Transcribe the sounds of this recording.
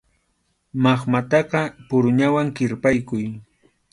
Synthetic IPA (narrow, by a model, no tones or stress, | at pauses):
maχmat̪ɑqɑpʊɾʊɲawaŋkɪɾpajkʊj